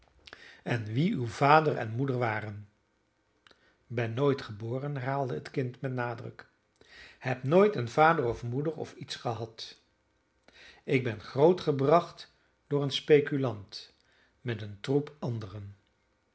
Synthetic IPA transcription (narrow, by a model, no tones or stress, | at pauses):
ɛnʋiywv̥aːdərɛ̰nmudəɹʋaːrən | bɛnːojtχəboːrənɛrɦaːlˠdəətkɪntmɛtnaːdrə̰k | hɛpnojtənvaːdərɔfmudəɹɔ̰fitsχəɦɑt | ɪɡ̚bɛnχrowtχəbrɑχt | dʊːɹənspejkylɑnt | mɛtəntrupɑndərən